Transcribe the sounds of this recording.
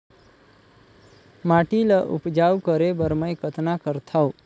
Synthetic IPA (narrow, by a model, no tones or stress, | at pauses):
maʈiləʔṵpd͡ʒawkəɾebəɾməjkət̪nakəɾt̪ʰaw